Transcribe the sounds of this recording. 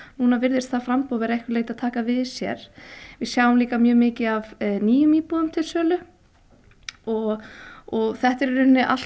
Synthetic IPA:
nuːnavɪɾðɪɾ̥st̪θafɾampoːvɛɾɛhkvɪleːjt̪aðt̪ʰaːkavɪðsjɛ̰ɾ̥vɪðsjaːwʏmliːkamjœːmɪːcɪavniːjʏmiːpuːðʏmt̪ʰɪlsœːlʏ | ɔɣɔɣθɛht̪ɛɾɾʏnːɪʔa̰̥

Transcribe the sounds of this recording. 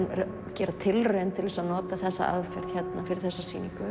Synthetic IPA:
n | cɛːɾat̪ʰɪlrœːnt̪ʰɪlvɛsanɔːt̪aθɛsːa̰a̰ðfɛ̰ɾ̥ð̥çɛt̪nafɪɾɪɾθɛsːasḭːniŋkʏ

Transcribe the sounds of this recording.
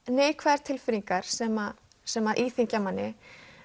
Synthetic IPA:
neːjkʰvɛɾ̥t̪ʰɪlfɪɾiŋkaɾ̥sɛma | sɛmaðʔiːθiɲcamanːɪ

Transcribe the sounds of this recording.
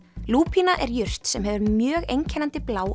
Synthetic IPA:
luːpʰinaʔɛɾjʏr̥t̪sɛmɦɛvʏɾmjœːɣejɲcʰɛnant̪ɪplaːw

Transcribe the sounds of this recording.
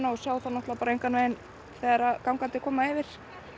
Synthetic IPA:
nawsaːwθanɔht̪lapaːɾaejŋkanvɛðɪn | θɛːaɾakawŋkant̪ɪkʰɔːmaɪvɪɾ̥

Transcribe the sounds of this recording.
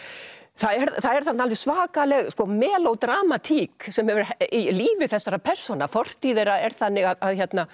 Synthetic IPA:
θaðɛɾθaðɛɾθat̪nːalvɪsvaːkalɛɣskɔmɛːlowt̪ɾaːmat̪ʰiːksɛmhɛvʏɾiliːvɪθɛsːaɾapʰɛr̥sɔnafɔr̥t̪iðɛːɾaɛɾ̥θanːɪɣaðaðçɛt̪na

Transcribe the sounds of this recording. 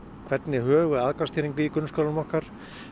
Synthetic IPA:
kʰvɛt̪nɪhœːɣʏaðkast̪ʰiːɾiŋkviikʏnskœlʏnmɔhkaɾ̥

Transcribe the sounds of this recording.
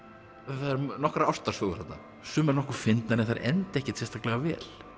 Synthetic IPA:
θaðɛɾnɔkɾaaw̥st̪aɾsfoːɣʏɾ̥hat̪na̰ | sʏːmɛɾnɔhkʏɾ̥fɪnt̪naɾɪθaɾʔɛ̰nt̪ɛhcɪ̥t̪sɛst̪ʰahklɛɣavɛ̰ːl̥

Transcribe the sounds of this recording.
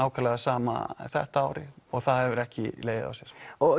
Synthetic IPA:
aːwkʰalɛɣasaːma̰θɛht̪aaːwɾɪɔɣθaðhɛvʏɾɛhcɪleːjðɪ̰ða̰wsjɛɾ̥ɔ

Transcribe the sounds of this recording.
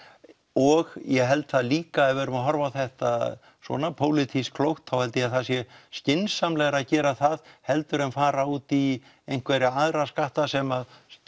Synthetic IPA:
ɔɣjɛɦɛlt̪θaðliːkaɛðvɛːɾʏmaðɦɔɾvawθɛht̪a | sɔ̰ːnapʰoːwlɪt̪ʰiskʰlowht̪θawhɛlt̪ɪaθaðsjɛscɪnsamlɛɣɾaðcɛːɾaθaðhɛlt̪ʏɾɛnfaːɾauːt̪i | ejn̥kvɛɾɪaðɾaskaht̪asɛmað

